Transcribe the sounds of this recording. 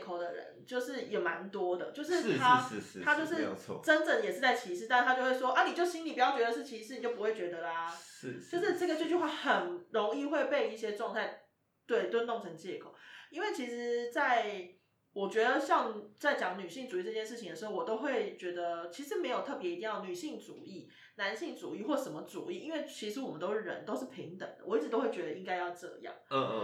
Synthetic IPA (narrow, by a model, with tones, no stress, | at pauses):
kʰo˨˩ʊd̪ə˦ɻə̰˧˦nt͡ɕjo˥˧ʊʂɻ̩˥˩jɛ˨˩ma˧˦nt̪wɔ˥d̪ə̰˨t͡ɕjo˥˧ʊʂ̬ɻ̩˥˩˨t̪ʰa˥˧˥t̪ʰa˥t͡ɕjo˥ʊʂ̬ɻ̩̰ʰ˥˩˧ʈ͡ʂə˦˥nʈ͡ʂə˥˩ŋ˨jɛ˨˩ʂɻ̩˥˧˩t͡sa˥˩ɪt͡ɕʰi˧˥ʂɻ̩˥˩t̪a˥˩˧ʂ̩ʰ˥˧a˥t͡ɕjʊxwe˥˩ɪʂwɔ˥ʔɐ˥˧ni˨˩t͡ɕjo˥˩ʊɕi˥nli˨˩pu˧˩jɑ˥˩t͡ɕɛ˧˥d̪ə˧ʂɻ̩˥˩t͡ɕʰi˧˥ʂɻ̩˧˩ni˨t͡ɕjo˥˩ʊpu˧xwe˥˩t͡ɕɥɛ˧˥d̪ə˧la˦˧t͡ɕjo˥˧ʊʂ̩˥˩ʈ͡ʂə˥˩ɡə˩t͡ɕjt͡ɕo˥˧xwe˥˩ɪxə˨˩nɻo˧˥ŋi˥˧xwe˥˧ɪpe˥˧ɪi˥˩ɕjɛ˥ʈ͡ʂwɑ˥˧ŋt̪ʰa˥˩ɪ | t̪we˥˩ɪt̪wə˥nt̪o˥˩ŋt͡sʰə˧˥ŋt͡ɕjɛ˥˩kʰo̰˨˩ʊi˥nwe˥˩ɪt͡ɕʰi˧˥ʂɻ̩˧˦t͡sa˥˩ɪ | wɔ˨˩t͡ɕɥɛ˧˥d̪ə˧ɕjɑ˥˧ŋt͡sa˥˩ɪt͡ɕjɑ˨˩˦ŋny˨˩ɕi˥˩ŋʈ͡ʂu˨i˥˩ʈ͡ʂɤ˥˧˩t͡ɕjɛ˥˧nʂɻ̩˥˩t͡ɕʰi˧ŋd̪ə˩ʂ̩˧˥xo˥˩wɔ˨˩t̪o˥ʊxwe˥˩ɪt͡ɕɥɛ˧˥d̪ə˧t͡ɕʰi˧˥ʂ̬ɻ̩˧˥me˧˥ɪjo˨˩ʊt̪ʰɤ˥˩p̬jɛ˧˥i˧t̪i˥˧jɑ˥˩˨ny˨˩ɕi˥˩ŋʈ͡ʂṵ˨˩i˥˩ | na˧˦˥nɕi˥˩ŋʈ͡ʂu˨˩i˥˨xwɔ˥˩ə˩ʂə˨˩mə˦ʈ͡ʂṵ˨˩i˥˩ʔi˥nwe˥˩ɪt͡ɕʰi˧˥ʂɻ̩˧˥wɔ˨˩mə˦nt̪o˥ʊʂɻ̩˥˩ɻə̰˧˦nt̪o˥ʊʂɻ̩˥˩pʰi˧˥ŋt̪ə̰˨˩ŋd̪ə̰˦wɔ˨˩i˥˩ʈ͡ʂ̩˨˩t̪o˥ʊwe˥˩t͡ɕɥɛ˧˥d̪ə˧i˥ŋka˥ɪjɑ˥˧ʊʈ͡ʂɤ̰˥˧jɑ̰˥˩ŋ˧